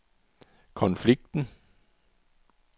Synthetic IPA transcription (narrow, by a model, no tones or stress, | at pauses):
kʰɔnfliɡ̥̚d̥n̩